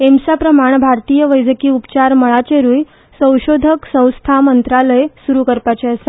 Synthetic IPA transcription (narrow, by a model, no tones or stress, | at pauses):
emsapɾəmaɳbʱaɾt̪iːjəʋəjd͡zəkiːupt͡ɕaɾməɭat͡ɕeɾuːj | sə̃w̃ɕod̪ʱəksə̃w̃st̪ʰamənt̪ɾaləjsuɾukəɾpat͡ɕeəse